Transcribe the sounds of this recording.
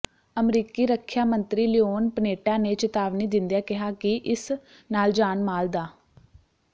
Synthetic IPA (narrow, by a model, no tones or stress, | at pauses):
əmɾiːkiːɾəkʰːjaːmənt̪ɾiːlɪoːnpəneːʈãːneːt͡ʃət̪aːʋniːd̪ɪnd̪jaːkɪɦaːkɪʔɪs | naːld͡ʒaːnmaːld̪aː